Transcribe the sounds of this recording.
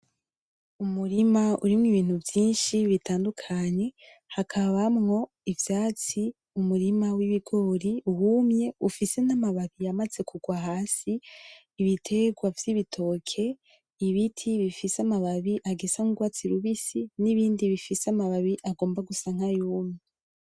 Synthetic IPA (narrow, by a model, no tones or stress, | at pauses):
umuɾimaṵɾimŋiβiːn̥huvjiːnʃiβitaːndukʰaɲe̞ | hakʰaβamŋo̞ | ivjaːt͡si | umuɾimawiβiɡo̞ːɾiuwumɲe̞ufise̞namaβaβijamaze̞kʰuɡwaɦaːsiː | βitʰe̞ɡwavjiβitʰo̞ːkʰe̞ | iβitʰiβifisamaβaβiʔaɡesaŋuɡwaːt͡siɾuβisiniβiːndiβifisamaβaβiʔaɡo̞ːmbaɡusaŋ̥hajuːmɲe